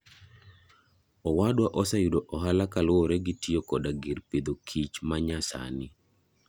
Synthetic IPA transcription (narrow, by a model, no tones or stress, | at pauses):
ɔwadwaʔɔsajudoʔɔɦalakalwɔɾɛɡɪtiokɔdaɡiɾped̪okʰit͡ʃmaɲasa̰nɪ